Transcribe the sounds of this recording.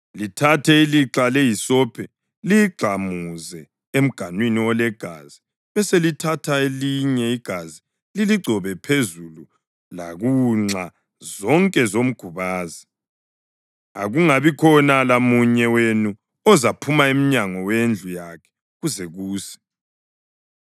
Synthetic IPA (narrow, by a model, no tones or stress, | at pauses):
litʰatʰɛiliǁalejisɔpʰɛ | liɡ͡ǀʱamuzɛ | em̩ɡ̥ʱanwiniwɔlɛɡ̥ʱa̰ːzi | βɛselitʰatʰaeliɲɛiɡ̥ʱazi | liliɡ͡ǀʱɔβɛpʰezulu | laɣuŋ͡ǀa | zɔŋkʼɛzom̩ɡ̥ʱuβaːzi | a̰ɣuŋaβikʰɔnalamuɲɛwenu | ɔzapʰumaem̩ɲaŋɔwend͡ɮʱujakʰɛ̥ | ɣuzɛɣuːsɛ̥